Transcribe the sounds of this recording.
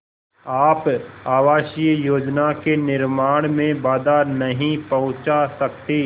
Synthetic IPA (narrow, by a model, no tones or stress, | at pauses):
aːpaːʋaːʃiəjoːd͡ʒnakenɪɾmaːɽ̃mẽbaːd̪anɐɦĩpɐɦʊ̃t͡ʃasɐk̚t̪iː